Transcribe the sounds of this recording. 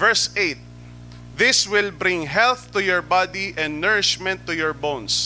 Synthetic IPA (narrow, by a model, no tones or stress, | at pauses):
vɛɹsejt̪̚ | ðɪswɪlbɾɪ̃ŋɦɛlθt̪ʊjɔɹbad̪iʔɛ̃nd̪nɛɹɪʃmɛ̃nt̪ːʊjɔɹbõns